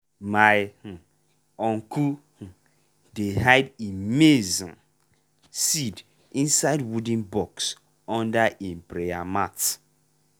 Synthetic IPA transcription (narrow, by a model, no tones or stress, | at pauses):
maj̩ | ɔ̃ŋku | h̩ | deɦaɪdimezɔ̃ | sid | ĩnsaɪdwudĩnbɔks | ɔ̃ndaʔempɾejamat